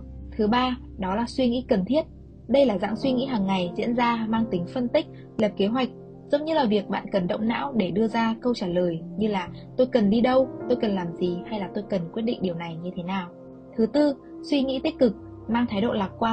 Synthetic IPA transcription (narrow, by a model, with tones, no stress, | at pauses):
t̪ʰɨ˨˦ɓaː˧ | ɗɔ˨˦laː˨˩swi˧ŋḭ˧˥kə˨˩nt̪ʰi˦˥ət̚ | ɗə˧jlaː˨˩za̰ː˧˥ŋswi˧ŋḭ˧˥ɦaː˨˩ŋːa˨˩jzḭ˧˥ənzaː˧maː˧ŋt̪ï˨˦ŋ̟fə˧nt̪ï˦˥k̟̚ | ləː˨˩p̚ke˨˦ɦwa˨˩jk̟̚ | zə˨˦wŋ͡mɲɨ˧laː˨˩vi˨˩ək̚ɓa̰ː˧˨nkə˨˩nɗə̰˧˨wŋ͡mna̰ː˧˥wɗe˧˩ɗɨ˧əzaː˧kə˧wt͡ɕaː˧˩ləː˨˩jɲɨ˧laː˨˩ | t̪o˧jkə˨˩nɗi˧ɗə˧wt̪o˧jkə˨˩nlaː˨˩mzi˨˩ha˧jlaː˨˩t̪o˧jkə˨˩nkwt̚ɗḭ˧ŋ̟̚ɗi˨˩əwna˨˩jɲɨ˧t̪ʰe˨˦naː˨˩w | t̪ʰɨ˨˦t̪ɨ˧ | swi˧ŋḭ˧˥t̪i˦˥k̟̚kɨ˨˩k̚ | maː˧ŋt̪ʰaː˨˦jɗo̰˧˨laː˨˩t̚kwaː˧